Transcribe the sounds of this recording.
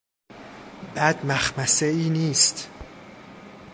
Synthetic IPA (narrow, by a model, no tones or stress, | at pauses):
b̥æd̪mæxmæseiːniːst̪